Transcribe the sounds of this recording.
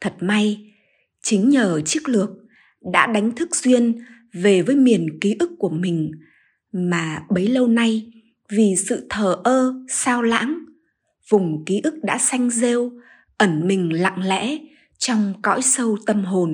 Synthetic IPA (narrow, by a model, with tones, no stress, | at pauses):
t̪ʰə˨˩t̚ma˧j | t͡ɕï˨˦ŋ̟ɲəː˨˩t͡ɕi˦˥ək̚lɨ˨˩ək̚ | ɗa̰ː˧˥ɗa˨˦jŋ̟t̪ʰɨ˦˥k̚zwi˧ən | ve˨˩vəː˨˦jmi˨˩ənki˨˦ʔɨ˦˥kːu˧˩əmï˨˩ŋ̟ | maː˨˩ɓə˨˦jlə˧wna˧j | vi˨˩sɨ̰˧˨t̪ʰəː˨˩ʔəː˧saː˧wla̰ː˧˥ŋ | vʊ˨˩ŋ͡mki˨˦ʔɨ˦˥k̚ɗa̰ː˧˥sa˧jŋ̟ze˧w | ʔə˧˩nmï˨˩ŋ̟la̰˧˨ŋlɛ̰˧˥ | t͡ɕɔ˧wŋ͡mkɔ̰˧˥jsə˧wt̪ə˧mɦo˨˩n